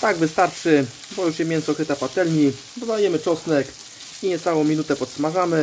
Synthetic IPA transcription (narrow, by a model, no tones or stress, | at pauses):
t̪aɡvɘst̪aɾt͡ʂɘ | bɔjuʂjɛmʲjɛnt̪sɔkɾɘt̪apat̪ɛlɲi | bɔzd̪ajɛmɘt͡ʂɔsnɛk | iɲɛt̪sawɔ̃w̃mʲinut̪ɛpɔt̪smaʐamɘ